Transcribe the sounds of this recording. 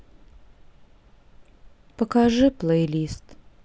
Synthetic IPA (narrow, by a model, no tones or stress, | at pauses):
pəkaʐɨplˠejlʲist̪